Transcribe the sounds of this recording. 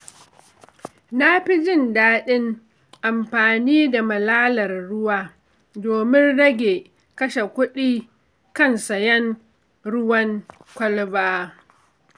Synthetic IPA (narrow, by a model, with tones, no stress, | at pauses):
na˦ɸi˦d͡ʒɪ˦˨ndaː˦ɗɪ˦ŋ | ʔa˨mɸaː˨niː˦da˨mɐ˨laː˦lɐ˨rɽʊ˦waː˦ | doː˨mɪ˦nɽɐ˦ɡʲeː˨ | kɐ˦ʃe˨kʷʊ˦ɗiː˦ | kɐ˦˨nsɐ˨jɛ˦ŋ | ɽʊ˦wɐ˦ŋkʷɐ˦lbaː˦